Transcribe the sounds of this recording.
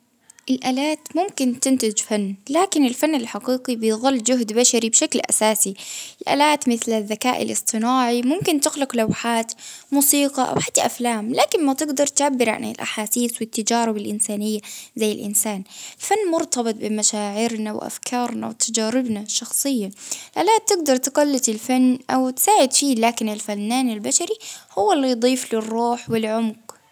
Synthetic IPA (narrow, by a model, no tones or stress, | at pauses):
ʔɪlʔaːlaːt̪mʊmkɪnt̪ɪnt̪ɪd͡ʒfanːlaːkɪnɪlfanːɪlħɑqiːqibɪjðˤɨlːd͡ʒʊɦd̪baʃaɾibʃaklʔa̰saːsiɪlʔa̰ːlaːt̪mɪθlaðːakaːʔɪ̰lʔɨsˤt̪ˤɨnaːʕimʊmkɪnt̪ɪɣlʊqlawħaːt̪muːsiːqɑʔa̰wħḁt̪ːaʔaflaːmlaːkɪnmat̪ɪɡd̪ɑɾˤt̪ʕabːɪɾʕa̰nɪ̰lʔa̰ħaːsiːswɪt̪ːad͡ʒaːɾɪbɪlʔɪnsaːnɪjːazajːɪlʔɪ̰nsaːnlfanːmʊɾt̪ɑbɨt̪̚ˤbɪmaʃaːʕɪɾnawʔa̰fkʰɑːɾˤna̰wt̪ʰad͡ʒaːɾɪbnaʃɑxsˤɨjːalʔalːaːt̪ːɪɡ̚d̪ɑɾˤt̪ɪɡalːɪt̪ɪlfanːʔawt̪ɪ̥saːʕɪd̪fiːlaːkɪnɪlfanːaːnɪlbaʃaɾihʊwːalːijd̪ˤiːflɪrˤːuːħwɪlʕʊmɡ